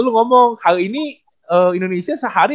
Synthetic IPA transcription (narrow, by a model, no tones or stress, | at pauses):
uluŋɔmɔŋhaʔini | əːindonesiasəɦaɾi